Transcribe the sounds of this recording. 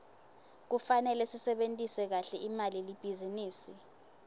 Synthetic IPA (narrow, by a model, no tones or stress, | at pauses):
k̬ufanɛlɛsisɛɓentʼisɛk̬aɬɛʔimalilib̥ʱiziniːsi